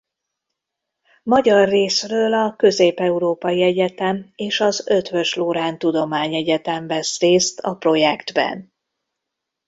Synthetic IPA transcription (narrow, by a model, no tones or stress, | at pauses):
mɒɟɒrːeːsrøːlɒkø̞zeːpɛuɾoːpɒjiɛɟɛt̪ɛmeːʃɒzø̞t̪ʋø̞ʃloːɾaːnt̪ud̪o̞maːɲɛɟɛt̪ɛɱvɛsreːst̪ʰɒpro̞jɛkd̪bɛ̰n